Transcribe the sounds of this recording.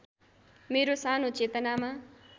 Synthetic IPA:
meɾosanot͡set̪ʌnama

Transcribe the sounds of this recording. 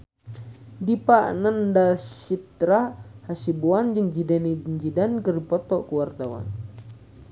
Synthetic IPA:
dipaʔnandasit̪ɾahasibuand͡ʒɨŋd͡ʒidanind͡ʒidankəripɔt̪ɔkuwart̪awa̰n

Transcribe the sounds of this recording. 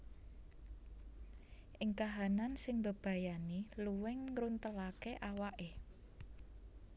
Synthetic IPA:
ʔɪŋkaɦanansɪŋbəb̥a̤janiluwɪŋːɾunt̪əlakeʔawaʔe

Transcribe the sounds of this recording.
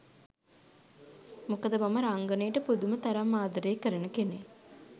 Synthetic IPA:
mukəd̪əbaməɾaŋɡənejəʈəpud̪umət̪aɾamːaːd̪əɾeːkəɾənəkene

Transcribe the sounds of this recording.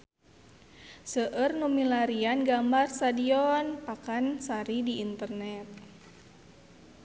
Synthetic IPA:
səʔərnumilaɾianɡambarst̪adiɔnpakansaɾidiʔint̪ərnɛt̪̚

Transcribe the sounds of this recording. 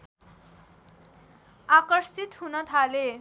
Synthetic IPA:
akʌrsit̪hunʌt̪ʰale

